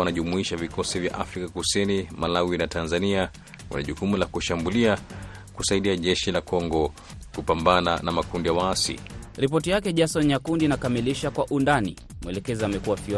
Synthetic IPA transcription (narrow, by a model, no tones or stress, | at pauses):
anaʄumuiʃavikʰɔsivja̰ʔafɾikakusinimalawinatanzania | wa̰naʄukumulakuʃambulia | kusaiɗiaʄɛʃilakɔŋɡɔ | kupambananamakundijawaasḭɾipɔtijakɛʄasɔnjakundinakamiliʃakwaʔundani | mwɛlɛkɛziamɛkuwafi